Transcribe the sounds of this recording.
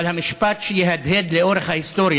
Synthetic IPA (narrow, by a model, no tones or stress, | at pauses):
lhamɪʃpat̪ʃejɛɦad̪ɦed̪leʔoɾeχhahist̪oɾj